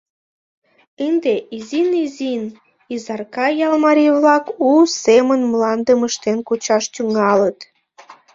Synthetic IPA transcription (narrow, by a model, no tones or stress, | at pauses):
ənd̪eʔizinizin | izɑrkɑjɑlmɑɾʲijβlɑkusemənmlɑnd̪əməʃt̪enkut͡ɕɑʃt̪yŋɑlət̪